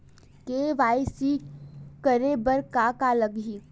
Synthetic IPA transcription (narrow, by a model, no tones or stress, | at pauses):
keːʋaːisikəɾebəɾkakaləɡɦiː